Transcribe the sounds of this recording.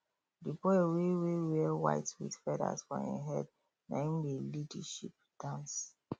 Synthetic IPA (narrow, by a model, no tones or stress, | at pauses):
dibɔwewewɛwa̰ɪtwḭdfɛda̰sfɔ̰̃ḭ̃ɦɛd̚ | nã̰mdilidaʃip̚ | d̥ãns